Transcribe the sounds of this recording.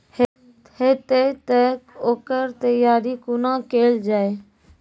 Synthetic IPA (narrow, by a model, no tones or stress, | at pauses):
h | het̪et̪əkoːkəɾt̪əjaːɾikʊnakeːld͡ʒaːe